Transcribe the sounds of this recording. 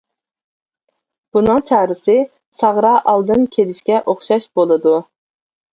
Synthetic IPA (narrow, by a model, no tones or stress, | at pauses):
b̥unɨŋt͡ʃʰæhɾɪsɪ | sɑʁɾɑːʔɑlˠd̪ɨnkʲʰelɪʃkʲɛʔoχʃɑʃbolˠɨd̪u